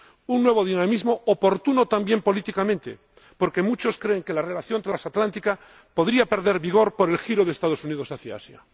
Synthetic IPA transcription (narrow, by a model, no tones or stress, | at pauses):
unnːwe̞β̞oð̞inamizmoːpo̞ɾt̪unot̪ambje̞mpo̞lit̪ikamẽnt̪ḛ | po̞ɾke̞mut͡ʃo̞skɾeːŋke̞lare̞laθjont̪ɾelasat̪lant̪ika | po̞ðɾiape̞ɾðe̞ɾβiɣ̞o̞ɾpoɾe̞lxiɾoð̞eːst̪að̞osunið̞osaθja̰a̰sja̰